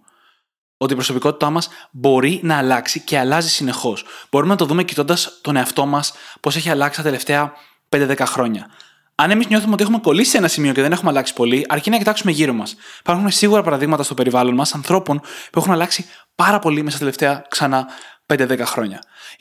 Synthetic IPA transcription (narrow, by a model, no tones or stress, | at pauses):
o̞t̪iːpɾo̞so̞piko̞t̪i̥t̪ɐmɐsbo̞ɾinɐːlɐksice̞ɐlɐzisine̞xo̞sb̥o̞ɾumenɐt̪o̞ðume̞ci̥t̪o̞nd̪ɐst̪o̞ne̞ɐft̪o̞mɐspo̞se̞çiɐlɐksi̥t̪ɐt̪e̞le̞ft̪e̞ɐ | pend̪eðe̞kɐxɾo̞ɲɐ | ɐne̞mizɲo̞θumeo̞t̪iexume̞ko̞lisi̥se̞nɐsimio̞ce̞ðe̞nexumeɐlɐksi̥po̞liʔɐɾcinɐcit̪ɐksumeʝiɾo̞mɐsipɐɾxunesiɣuɾɐpɐɾɐðiɣmɐt̪ɐst̪ope̞ɾivɐlo̞nmɐsɐnθɾo̞po̞npuexunɐlɐksi | pɐɾɐpo̞limesɐsɐt̪eleft̪e̞ɐksɐnɐpend̪e̞ðe̞kɐxɾo̞ɲɐ